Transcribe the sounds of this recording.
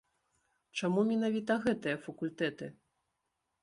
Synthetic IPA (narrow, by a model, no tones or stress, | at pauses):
t͡ʂamumʲinavʲit̪ɐɣɛt̪ɨjɐfɐkulʲt̪ɛt̪ɨ